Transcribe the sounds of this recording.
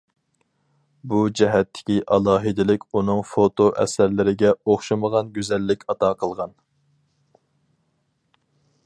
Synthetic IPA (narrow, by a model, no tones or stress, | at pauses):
bud͡ʒɛɦɛt̪ʰːɪ̥kʲiʔɑlˠɑːɦɨd̪ɪlɪkʲunɨŋfot̪ʰoʔɛ̰sæɾlɪɾɪɡʲɛoχʃɨməʁɑnɡʲyzɛlːɪkʲɑt̪ʰɑqʰəlˠʁɑn